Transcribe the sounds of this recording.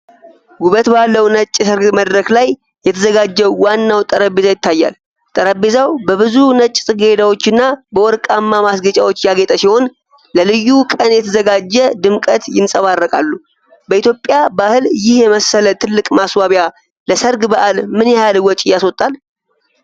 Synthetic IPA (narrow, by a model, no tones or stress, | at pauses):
ɡuβət̪balːəwnət͡ʃʼːjɛsəɾɡməd̪ɾəklajː | ɛt̪ʰəzəɡad͡ʒːɛwwanːawt̪ʼəɾəbezajɪt̪ʰːajːa̰l | t̪ʼəɾəbezawbəβɨzunət͡ʃʼsʼɨɡed̪awo̞t͡ʃːɪnːabəwɔɾkʼamːamasɡət͡ʃʼawot͡ʃːjaɡet̪ʼəsiho̞n | ləlɨjːukʼənjɛt̪ʰəzəɡad͡ʒːɛd̪ɨmkʼət̪jɪnsʼəβarːəkʼa̰lːu | bəʔit̪jo̞pʼːjabahɨljɪhjɛməsːələt̪ʰɨlːɨkʼmaswaβja | ləsəɾɡbəʔalmɨnjɛjalwɔt͡ʃʼɪjːaswɔt̪ʼːal